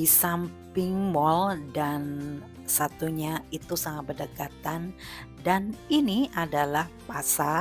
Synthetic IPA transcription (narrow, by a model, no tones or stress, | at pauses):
isampɪŋmɔldan | sat̪uɲait̪usaŋat̪̚bərdəkat̪andaniniʔadalahpasa